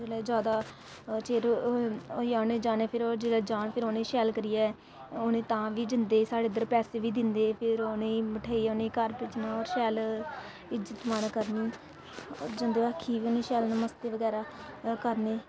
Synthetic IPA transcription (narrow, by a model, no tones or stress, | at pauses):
d͡ʒeːlɛːd͡ʒaːd̪aː | t͡ʃeːɾoaːnẽːd͡ʒaːneːpʰɪɾɔːɾd͡ʒeːɽɛːd͡ʒaːnpʰɪɾoːnẽːʃɛːlkəɾijaːɛ | oːnẽːt̪ãːʋiːd͡ʒɪnd̪eːsaːɽeːd̪əɾpɛːseːʋiːd̪ɪnd̪eːpʰɪɾoːnẽːməʈʰaːiːonẽːkəɾpɪt͡ʃnãːɔːɾʃɛːl | ɪd͡ʒət̪mankəɾniː | ɔ̰ːɾd͡ʒɪnd̪eːəkʰːiːʋiːoːnẽːʃɛːlnəməst̪eːʋəɡɛːɾaːkəɾneː